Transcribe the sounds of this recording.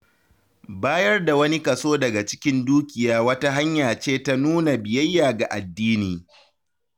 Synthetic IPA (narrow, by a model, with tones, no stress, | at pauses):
baː˦jɐ˦rda˨wɐ˦ni˦kɐ˨soː˦dɐ˨ɡa˨t͡ʃɪ̥˦kʲɪ˦nduː˦kʲɪ˨jaː˦wɐ˦ta˦ɦa˦ɲjaː˨t͡ʃeː˦˨ta˦nuː˦na˨bɪ˨jɐ˦jːaː˨ɡa˨ʔa˨dːiː˦niː˨